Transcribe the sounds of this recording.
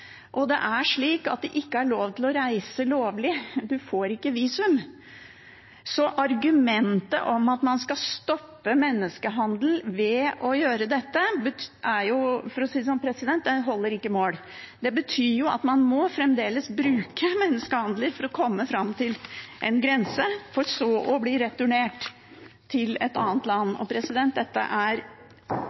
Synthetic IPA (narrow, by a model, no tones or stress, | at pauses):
ʔɔd̪ɛ̰ʔæʂɭiːkɑ̰t̪̚d̪ɛʔɪkːəæɭoːʋt̪ʰɪlɔɾæɪsəloːʋlɪd̪ʉfoːɾɪkːəʋiːsʉm | sɔʔɑɾɡʉmɛnt̪ə̰ʔɔmɑt̪mɑnskɑst̪ɔpːəmɛnːəskəɦɑnd̪l̩ʋɛɔjøːɾəd̪ɛt̪ːəbəæɾjʊfɔɾɔsiːd̪əsɔmpʰɾɛsɪd̪ɛnt̪d̪ɛɦɔlːəɾɪkːəmoːl | d̪ɛbət̪ʰyːɾjʊɑ̰t̪mɑnmɔfɾɛmd̪eːləsbɾʉːkʰəmɛnːəskəhɑnd̪ləɾfɔɾɔkʰɔmːəfɾɑmt̪ʰɪlʔɛ̰nɡɾɛnsəfɔɾsɔɔbliɾɛt̪ʉɳeːʈ | t̪ʰɪlɛt̪ɑːnt̪lɑnːɔ̰pʰɾɛsɪd̪ɛnt̪̚d̪ɛt̪ːə̰ʔæɾ